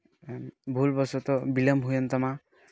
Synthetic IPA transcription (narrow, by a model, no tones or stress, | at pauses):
bʱulbɔsɔt̪ɔbiləmɦujɔnt̪ɔma